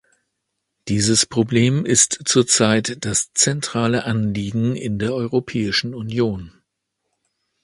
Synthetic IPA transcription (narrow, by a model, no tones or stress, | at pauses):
d̥iːzəspʁ̥obleːmɪstt͡suːɐt͡saɪtd̥ast͡sɛntʁ̥aːləʔanliːɡŋ̩ɪ̰ndeːɐʔɔʏʁopʰɛːɪʃn̩unjoːn